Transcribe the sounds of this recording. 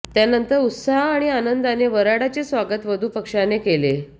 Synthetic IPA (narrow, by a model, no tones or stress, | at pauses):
t̪janənt̪əɾut̪saɦːɽ̃ianənd̪aneʋəɾaɽat͡ɕesʋaɡət̪ʋəd̪ʱuːpəkʂanekele